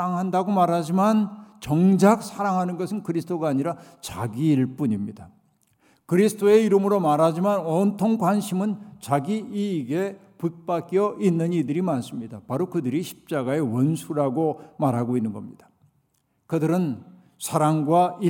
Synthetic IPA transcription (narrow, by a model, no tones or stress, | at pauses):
aŋɦandaɡomaɾɦad͡ʑimant͡ɕʌŋd͡ʑak̚sʰaɾaŋɦanɯnɡʌsʰɯnkɯɾisʰɯ̥tʰoɡaːɲiɾa | t͡ɕaɡiːɭp͈uɲimɲida | kɯɾisʰɯtʰoe̞iɾɯmɯɾomaɾɦad͡ʑimanʌntʰoŋkwanɕʰimɯnt͡ɕaɡiiːɡe̞ | put̚p͈ak͈jʌʔinːɯnidɯɾimans͈ɯmɲidapaɾokɯdɯɾiɕʰi̥p̚t͡ɕ͈aɡae̞wʌnsʰuɾaɡomaɾɦaɡoinːɯnɡʌmɲid̥ḁ | kɯdɯɾɯn | sʰaɾaŋɡwai